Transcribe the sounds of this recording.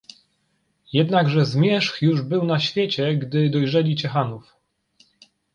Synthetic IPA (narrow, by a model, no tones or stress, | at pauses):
jɛd̪naɡʐɛzmʲjɛʂxjuʐbɘwnaɕfʲjet͡ɕɛɡd̪ɘd̪ɔjʐɛlʲit͡ɕɛxanuf